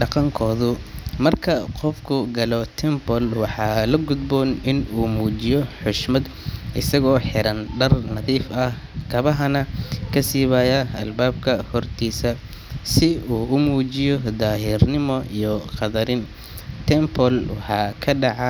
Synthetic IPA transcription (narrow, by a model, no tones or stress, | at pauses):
ɖɑqɑŋkʰɔːðʊmɐrkʰɐqɔfkʰʊɡɐlɔt̪ʰɛmpɔlwɑħɑːlɐɡʊd̪bɔːnɪnuːmuːt͡ʃɪjɔħʊʃmɐd̪ | ʔɪsɐɣɔːħɪɾɐnɖɐrnɐðiːfɐh | kʰɐβɐɦɐnɐkʰɐsiːβaːjɐɐ̰lbaːbkʰɐhɔrt̪ʰiːsɐ | sɪuːʊmuːt͡ʃɪjɔd̪aːɦɪrnɪmɔijɔqɑðɐɾɪn | t̪ʰɛmpʰɔlwɑħɑːkʰɐɖɑʕɑ